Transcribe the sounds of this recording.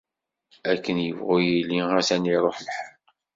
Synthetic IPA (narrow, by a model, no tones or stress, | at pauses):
ækːənjəvʁʊjilːiæsæniɾˤoħlħə